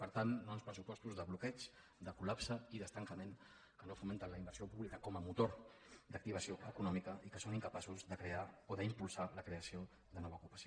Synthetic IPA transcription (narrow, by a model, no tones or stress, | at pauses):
pəɾt̪anːonspɾəsupɔst̪uzðəβlukɛt͡ʃ | d̪əkulapsəiðəst̪əŋkəmen | kənofument̪ənləimbəɾsiopuβlikəkɔməmut̪oɾd̪ək̚t̪iβ̞əsioʔəkunɔmikəʔikəsoniŋkəpasuzðəkɾeaoðəimpulˠsaləkɾeəsio | ðənɔβəukupə̥sio